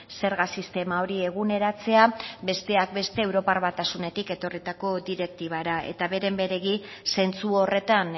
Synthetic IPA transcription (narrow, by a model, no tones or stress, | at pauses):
se̞ɾɣasist̪e̞mao̞ɾie̞ɣ̞une̞ɾat͡se̞abe̞st̪e̞ak̚be̞st̪e̞ːwɾo̞paɾβat̪asune̞t̪ike̞t̪o̞rit̪ako̞d̪iɾe̞k̚t̪iβaɾae̞̰t̪aβe̞ɾe̞mbe̞ɾe̞ɣise̞nt͡suo̞re̞t̪an